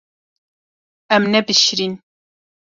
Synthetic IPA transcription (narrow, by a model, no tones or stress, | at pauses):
ɛmnɛbɨʃɾin